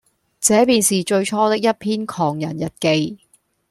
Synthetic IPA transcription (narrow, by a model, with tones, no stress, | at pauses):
t͡sɛː˨˥piː˨˧nsiː˨t͡ʃɵ˧ɥt͡ʃʰɔː˥t̪ɪ˥k̚jɐ˥t̚pʰiː˥nkʰɔː˨˩ŋjɐ˨˩njɐ˨t̚ke˧j